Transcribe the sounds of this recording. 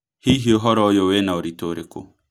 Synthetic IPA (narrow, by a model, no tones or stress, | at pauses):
hiɦiɔɦɔɾɔojɔwɛnaoɾitoɾekṵ